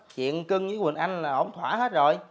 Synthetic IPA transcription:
k̚t͡ɕḭ˧˨ənkɨ˧ŋzɨː˧˥˦jwï˨˩nʔa˧jŋlaː˨˩ʔə˧˩wŋ͡mt̪ʰwaː˧˩˦ɦe˦˥t̚zo˨˩j

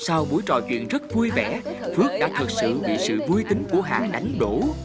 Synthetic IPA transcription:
saː˧wɓu˧˥əjt͡ɕɔ̰˧˨t͡ɕwḭ˧˨ənzə˦˥t̚vu˧jvɛ˧˩fɨ˦˥ək̚ɗa̰ː˧˥t̪ʰə˨˩t̚sɨ̰˧˨ɓḭ˧˨sɨ̰˧˨vu˧jt̪ï˧ŋ̟ku˧˩əɦa̰ː˧˨ɗa˨˦jŋ̟ɗo˧˩

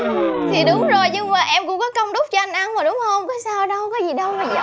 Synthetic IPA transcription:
t̪ʰi˨˩ɗʊ˨˦ŋ͡mzo˨˩jɲɨ˧ŋmaː˨˩ʔɛ˧mkʊ˧˥ŋ͡mkɔ˨˦kə˧wŋ͡mɗʊ˦˥k͡p̚t͡ɕɔ˧ʔa˧jŋ̟ʔa˧nmaː˨˩ɗʊ˨˦ŋ͡mho˧ŋ͡mkɔ˨˦saː˧wɗə˧wkɔ˨˦zi˨˩ɗə˧wmaː˨˩˧

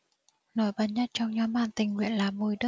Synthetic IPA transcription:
nɔ˨˩˦jɓaː˧˩nɲə˦˥t̚t͡ɕɔ˧wŋ͡mɲɔ˨˦mɓaː˧˩nt̪ï˨˩ŋ̟ŋwḭ˧˨ənlaː˨˩mo˧˩jɗɨ˦˥

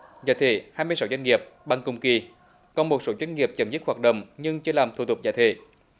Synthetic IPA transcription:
zaː˧˨˩t̪ʰḛ˧˩˨haː˧jmɨ˧jsa˨˦wzwa˧ŋŋi˨˩əp̚ɓa˧˩ŋkʊ˧ŋ͡mki˧ | kɔ˨˩nmo˨˩t̚so˨˦zwɛ˧jn̟ŋi˨˩əp̚t͡ɕə˨˩mzi˦˥t̚hwaː˨˩t̚ɗə̰˧˨wŋ͡mɲɨ˧ŋt͡ɕɨ˧˦laː˨˩mt̪ʰu˨˧˩t̪ʊ˨˩k͡p̚za̰ː˧˩t̪ʰḛ˧˨

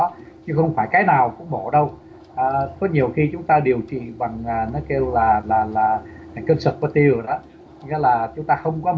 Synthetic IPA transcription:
ɔ˨˦ɲɨ˧ŋxə˧wŋ͡mfaː˧˩jkaː˨˦jnaː˨˩wkʊ̰˧˥ŋ͡mɓo˧˩ɗə˧w | ʔəː˨˩kɔ˨˦ɲi˨˩əwxi˧t͡ɕʊ˨˦ŋ͡mt̪aː˧ɗi˨˩əwt͡ɕḭ˧˨ɓa˨˩ŋaː˨˩nɔ˨˦ke˧wlaː˨˩laː˨˩laː˨˩ | a˨˩ŋkə˧nsə˨˩t̚ka˧˩t̪i˧˩ə˨˩ɗɔ˨˦˧ | ŋɛ̰˨˦˥laː˨˩t͡ɕʊ˨˦ŋ͡mt̪aː˧xə˧wŋ͡mkɔ˨˦

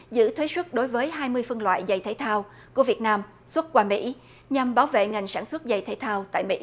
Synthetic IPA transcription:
zɨ̰˧˥t̪ʰwe˨˦swə˦˥t̚ɗo˨˦jvəː˨˦jɦaː˧jmɨ˧əjfə˧nlwa̰ː˧˨jza˨˩jt̪ʰe˧˦t̪ʰaː˧w | ku˧˩əvi˨˩ət̚naː˧m | swə˦˥t̚kwaː˧mḭ˧˥ | ɲa˧˩mɓaː˨˦wvḛ˧˨ŋa˨˩jŋ̟saː˧˩nswə˦˥t̚za˨˩jt̪ʰe˧˩˦t̪ʰaː˧wt̪a̰ː˧˨jmḭ˧˥

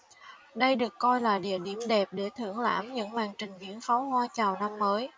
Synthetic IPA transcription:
ɗə˧jɗɨ˨˩əkːɔ˧jlaː˨˩ɗḭ˧˨əɗi˧˩əmɗɛ˨˩p̚ɗe˧˩t̪ʰɨ̰˧˩əŋla̰ː˧˥mɲɨ̰˧˥ŋmaː˨˩ŋt͡ɕï˨˩ŋ̟vḭ˧˥ənfa˨˦whwaː˧t͡ɕaː˨˩wna˧mːəː˨˦j

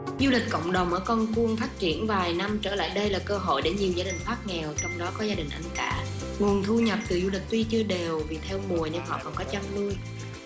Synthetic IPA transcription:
zu˧li˨˩k̟̚kə̰˧˨wŋ͡mɗə˨˩wŋ͡mʔəː˧˩kɔ˧nku˧əŋfaː˦˥t̚t͡ɕi˧˩ənvaː˨˩jna˧mt͡ɕəː˧˩la̰ː˧˨jɗə˧jlaː˨˩kəː˧ɦo̰˧˨jɗe˧˩ɲi˨˩əwzaː˧˩ɗï˨˩ŋ̟faː˦˥t̚ŋɛ˨˩wt͡ɕɔ˧wŋ͡mɗɔ˨˦kɔ˨˦zaː˧ɗï˨˩ŋ̟ʔa˧ŋ̟kaː˧˩ | ŋu˨˩ənt̪ʰu˧ɲə˨˩p̚t̪ɨ˨˩zu˧lï˨˩k̟̚t̪wi˧t͡ɕɨ˧əɗe˨˩wvi˨˩t̪ʰɛ˧wmu˨˩əjɲə˧ŋɦɔ̰˧˨kɔ˨˩nkɔ˨˦t͡ɕa˧ŋnɨ˧əj

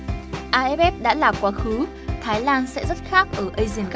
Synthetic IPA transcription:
ʔaː˧ʔɛ˦˥p̚ʔɛ˦˥p̚ɗa̰ː˧˥laː˨˩kwaː˨˦xɨ˨˦ | t̪ʰaː˨˦jlaː˧nsɛ̰˧˥zə˦˥t̚xaː˦˥k̚ʔəː˧˩ʔə˧jzi˧˩ənk

